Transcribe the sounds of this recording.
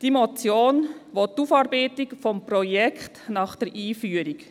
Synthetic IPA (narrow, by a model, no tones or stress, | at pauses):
d̥imɔt͡sjoːnʋotːufɑːɾbɛɪtɪkfɔmpɾɔjɛkʰχtnɑχd̥əɾʔiːfyːəɾik